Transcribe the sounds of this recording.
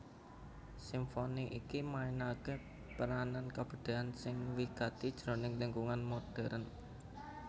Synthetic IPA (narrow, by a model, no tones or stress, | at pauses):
simfoniʔikimainake | pəɾanankab̥ə̤ɖ̪̥e̤ansɪŋwikat̪id̥ʒ̥ɾo̤nɪŋləŋkuŋanmoɖ̥ɛ̤ɾən